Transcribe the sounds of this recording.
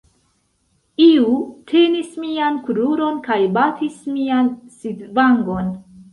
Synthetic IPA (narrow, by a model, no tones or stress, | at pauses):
iutʰe̞nismiankuɾuɾo̞nkajbatʰismiansidvaŋɡo̞n